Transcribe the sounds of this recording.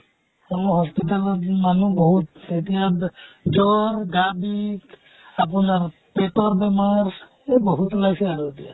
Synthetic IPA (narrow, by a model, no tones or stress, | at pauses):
ɔmɔɦɔspitalɔmanubɔɦut̪ːet̪ijad͡ʒɔɾɡabik | ap̬unaɾ | petɔɾbɛmaɾ | ebɔɦut̪lajsɛaɾuet̪ija̰